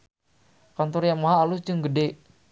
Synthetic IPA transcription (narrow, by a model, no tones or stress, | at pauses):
kant̪ɔɾjaŋmaɦaːlusd͡ʒɨŋɡəde